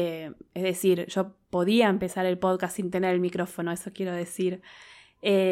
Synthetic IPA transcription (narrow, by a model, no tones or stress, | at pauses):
ezðesiɾʒ̥o̞po̞ðiaempe̞saɾe̞lpo̞ðkastsint̪e̞neɾelmikɾo̞fo̞noeso̞kje̞ɾo̞ð̞e̞siɾ | e